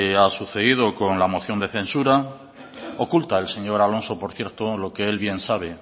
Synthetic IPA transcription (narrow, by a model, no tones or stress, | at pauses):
easuθe̞ðið̞oko̞nlamo̞θjo̞nd̪eθe̞nsuɾa | o̞kult̪aelse̞ɲo̞ɾalo̞nso̞po̞ɾθje̞ɾt̪olo̞kee̞lβje̞nsaβ̞e